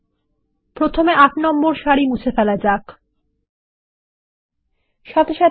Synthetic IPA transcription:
pɾot̪ʰomeʔaʈnɔmboɾʃaɾimut͡ɕʰefɛlaed͡ʑak | ʃɔt̪eʃa

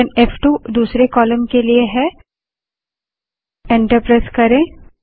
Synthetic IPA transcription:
əneːfʰʈuːd̪uːsɾekɔːləmkelieɦɛ | ẽːɳʈəɾpɾaːɪskɐɾẽː

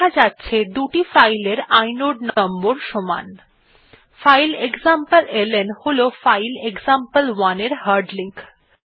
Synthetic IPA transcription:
ad͡ʑatːɕʰed̪uʈifajleɾajnoɖnɔmboɾʃoma̰n | fajleɡzampəlelenholofajlekzampəlwaneɾhaɾɖliŋk

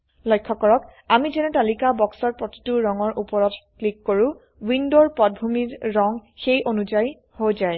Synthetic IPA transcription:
lɔjkʰːɔkɔɹɔkamizɛnɛtalikabɔksɔɹpɹɔti̥tuɹɔŋɔɹʔupɔɹɔtklikːoɹʊ̃ | windoɹpɔt̚bʱumiɹɹɔŋxejʔonuzaj | hojzaj

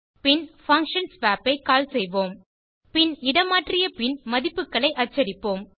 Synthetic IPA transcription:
pɪnfɐŋkʂɐnsʋaːpːɐɪkaːlsɛjʋoːm | pɪnɪɽɐmaːʈrɪjɐpɪnmɐðɪpːɯkːɐɭɐɪʔɐt͡ʃːɐɽɪpːoːm

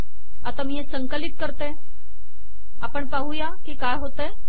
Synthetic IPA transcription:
ɐt̪ɐmiɦẽsə̃ŋkəlɪt̪̚kəɾt̪e | aːpəɳpaɦujakikaːɦoːt̪e

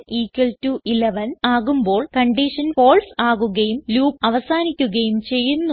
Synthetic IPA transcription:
iːkːɐltuʔileʋɐnaːɣumbo̞ːɭkɐɳɖiʂɐnfo̞ːɭsaːɣuɣɐjumluːpɐʋɐsaːnikʲːuɣɐjumt͡ɕe̞jːunːu

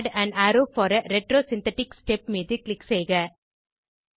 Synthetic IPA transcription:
ɖæ̃naːɾoːfɔːɾɐɾɛʈɾoːsɪ̃nt̪ɛʈɪksʈɛp̚miːðɨklɪksejɣɐ

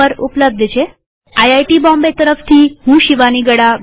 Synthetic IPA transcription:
əɾṵpləb̚d̪ʱt͡ʃʰe | ajajʈibɔmbet̪əɾəft̪ʰiɦũʃiʋaniɡəɽaʋ

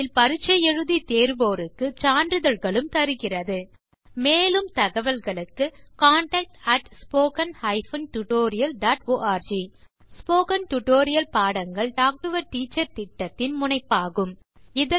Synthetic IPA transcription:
ɪlpɐɾɯt͡ʃːɐjɛɻɯðit̪eːɾʋoːɾɯkːɯt͡ʃaːɳɖrɯðɐlɣɐɭɯmt̪ɐɾɯɣɪrɐðɯ | meːlɯmt̪ɐɣɐʋɐlɣɐɭɯkːɯkaːɳʈɐːk̚ʈɐʈspoːkɐnhɐɪfɐnʈʊʈoːɾɪjɐlɖaːʈoːʔaːɾd͡ʒi | spoːkɐnʈʊʈoːɾɪjɐlpaːɽɐŋɡɐɭɖaːk̚ʈɯʋɐɾʈiːt͡ʃːɐɾt̪ɪʈːɐt̪ːɪnmʊɳɐɪpːaːɣɯm | ɪðɐ

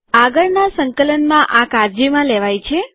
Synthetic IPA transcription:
aɡəɭnasəŋkələnmãʔakaɾd͡ʒimãleʋajt͡ʃʰe

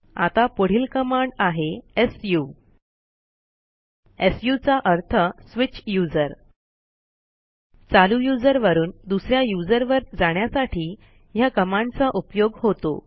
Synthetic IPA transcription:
a̰t̪apoɽ̤iːlkəmaɳɖaɦeesju | esjut͡saʔəɾt̪ʰəsʋit͡ɕjud͡zəɾ | t͡salujud͡zəɾʋəɾuːnd̪usɾjajud͡zəɾʋəɾd͡zaɽ̃jasaʈʰiː | jakəmãɳɖt͡saʔupjoɡhot̪o̰

